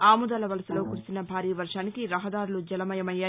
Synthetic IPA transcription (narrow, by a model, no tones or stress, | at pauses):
aːmud̪ɐlɐʋɐlɐsulo̞ːkuɾisinɐbʱaːɾiːʋɐɾʂaːnikiɾɐɦɐd̪aːɾulud͡ʒɐlɐmɐjɐmɐjːaː